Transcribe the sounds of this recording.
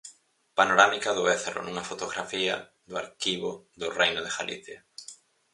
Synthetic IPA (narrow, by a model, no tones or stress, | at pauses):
panoɾamikɐðʊeθeɾʊ̰nuŋɐfot̪oɣɾafiɐ̰ | ðʊaɾkiβʊðʊrejnʊðeɣalḭθja